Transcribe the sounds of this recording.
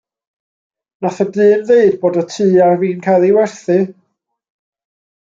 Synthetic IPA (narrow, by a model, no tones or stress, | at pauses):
naθadɨːnðeɨd̚boːdɔtʰɨːarviːnkʰajlˠiwɛrθɨ